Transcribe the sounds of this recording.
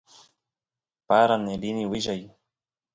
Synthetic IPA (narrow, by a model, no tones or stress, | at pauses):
paɾaneliniwɪʒaj